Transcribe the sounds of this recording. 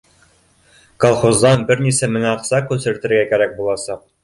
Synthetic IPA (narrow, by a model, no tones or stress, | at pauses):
kolˠχozd̪ɑnbɘɾnisæmɘ̆næɑqsɑkʉsɘ̆ɾɘt̪ɘ̆ɾɡækæɾæk̚bulˠɑsɑq̚